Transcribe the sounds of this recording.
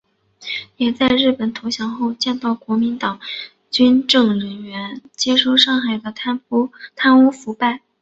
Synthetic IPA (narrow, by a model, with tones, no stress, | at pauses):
jɛ˨˩t͡sa˥˧ɪɻɻ̩˥˩pə˨˩nt̪ʰo˧˥ʊɕjɑ˧˥ŋxo˥˧ʊt͡ɕjɛ˥˧nt̪ɑ˥˩ʊkwɔ˧˥mi˧˥nt̪ɑ˨˩˦ŋ | t͡ɕy˥nʈ͡ʂɤ˥˩ŋɻə˧˥nɥɛ˧˥nt͡ɕjɛ˥ʂo˥˧ʊʂɑ˥˩ŋxa˨˩ɪd̪ə˦t̪ʰt̪ʰa˥nu˥fu˧˥pa˥˩ɪ